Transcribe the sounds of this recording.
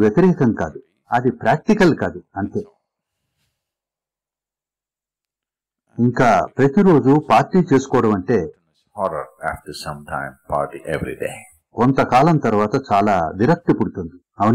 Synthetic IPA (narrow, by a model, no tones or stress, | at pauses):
ʋjɐt̪iɾɛːkɐŋkaːd̪u | ɐd̪ipɾaːk̚ʈikɐlkaːd̪uɐnt̪e̞ː | iŋkaːpɾɐt̪iɾo̞ːd͡ʒupaːɾʈːiːt͡ʃe̞ːsu̥kɔːɽɐmɐɳʈe̞ː | hɔɾɐ̰ɾæ̰ːfʈɐsɐ̃mʈʰã̰ɪmpʰa̰ːɾʈḭʔeʋɾḭdḛː | kont̪ɐkaːlɐmt̪ɐɾuʋaːt̪ɐt͡ʃaːlaːʋiɾɐk̚t̪ipuɽut̪und̪i | ɐʋɐ